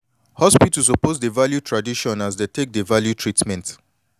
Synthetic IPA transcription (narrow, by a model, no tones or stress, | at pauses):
hɔspitis̬oposdevaljutʰɹadiʃɔ̃nasdetʰek̚devaljutʰɹitmɛ̃nt